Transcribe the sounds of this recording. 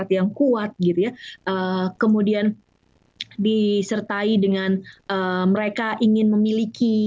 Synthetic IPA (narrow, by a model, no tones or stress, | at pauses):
at̪jaŋkuat̪̚ɡit̪ujaʔəkəmudian | disərt̪aidəŋanəməɾekaʔiŋɪnməmiliki